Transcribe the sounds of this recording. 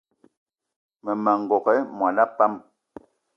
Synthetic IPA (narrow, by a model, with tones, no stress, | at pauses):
mə˨mɛ˨ŋ̩˨ɡɔ˨kɛ˦mwa˨la˦pːa˦m